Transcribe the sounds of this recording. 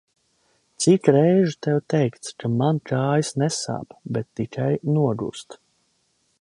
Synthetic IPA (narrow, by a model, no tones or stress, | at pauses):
t̪sikɾɛjʒɨt̪ɛwt̪ɛjkt̪skʰamankʰaːjisnɛsa̰ːpbet̪ːikʰajnuɔɡṵst̪